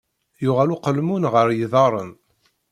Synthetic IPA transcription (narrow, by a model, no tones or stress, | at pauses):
jʊʁæluqəlmunʁəɾjəðˤɑɾˤən